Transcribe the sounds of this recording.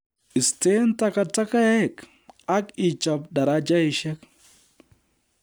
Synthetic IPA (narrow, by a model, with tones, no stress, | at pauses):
ɪ˨ste˦nta˨ka˨ta˦ka˦ja˦˨k | a˦ki˨t͡ʃa˨pda˨ɾa˦d͡ʒa˦i˨ʃɛ˦k